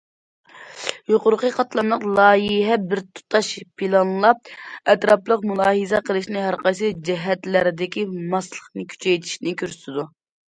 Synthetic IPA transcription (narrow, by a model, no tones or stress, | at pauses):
joqʊɾqəqʰɑt̪lˠɑnlˠəqlˠɑːjiɦɛbɪɾt̪ʰu̥t̪ʰɑʃpʰilˠɑnlˠɑp̚ɛt̪ɾɑplˠəqmulˠɑːɦizɛqʰəlˠɨʃnɪɦæɾqɑjsɨd͡ʒɛɦɛt̪læɾɪd̪ɪkʲimɑslˠəχnɨkʲʰy̥t͡ʃʰɛjt̪ʰi̥ʃnɪkʲyɾsɪd̪u